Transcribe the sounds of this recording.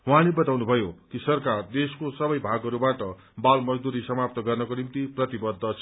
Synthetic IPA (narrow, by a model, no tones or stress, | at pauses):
wɦãlebʌt̪awnubʱʌjokisʌrkard̪eskosʌbʌjbʱaɡɦʌɾubaʈʌ | balmʌd͡zd̪uɾisʌmap̚t̪ʌɡʌrnʌkonimt̪iprʌt̪ibʌd̪ʱːʌsʰ